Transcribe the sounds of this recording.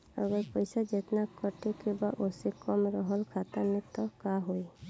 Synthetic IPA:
ɔ̰ɡɔtpɔjsad͡ʒɛt̪nakːɔʈikibaʔosikɔmɹɔɦɔlkʰat̪anit̪ɔkaɦoj

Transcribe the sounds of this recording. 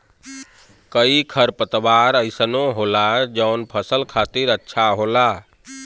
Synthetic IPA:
kəikʰəɾpət̪ʋaɾəɪsənoɦolad͡ʒəʊnpʰəsəlkʰat̪iɾətːʃʰaɦola

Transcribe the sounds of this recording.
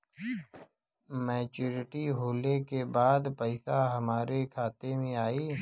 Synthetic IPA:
mɛːt͡ʃuːɾɪʈiɦoːlekebaːd̪pəɪsaɦɐmaːɾekʰaːt̪emẽaːiː

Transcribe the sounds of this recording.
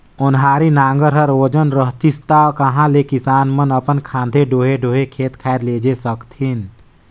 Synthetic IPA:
ʊnɦaːɾinãːŋɡəɾɦəɾoːd͡ʒənɾəɦt̪ist̪akəɦãlekɪsaːnmənəpənkʰãːnd̪ʱeɖʱoːɦeɖʱoːɦekʰeːt̪kʰaːɪɾleːd͡ʒesəkt̪ɦin

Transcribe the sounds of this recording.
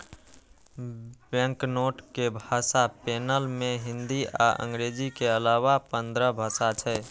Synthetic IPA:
bjɛ̃ŋknoːʈkebʱaːsapeːnəlmẽɦɪ̃nd̪ia̰ʔə̰̃ŋɡɾeːd͡ʒikeəlaːʋapə̃nd̪ɾəbʱəsat͡ʃʰɛː

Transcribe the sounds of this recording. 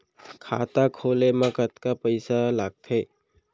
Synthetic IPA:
kʰa̰ːt̪akʰoːlemə̃kət̪kapəɪsalaːɡ̚t̪ʰeː

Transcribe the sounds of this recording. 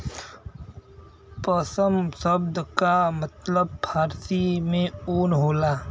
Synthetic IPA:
pəsəmsəbd̪kamət̪ləb̚pʰaːɾsimẽoːnɦoːlaː

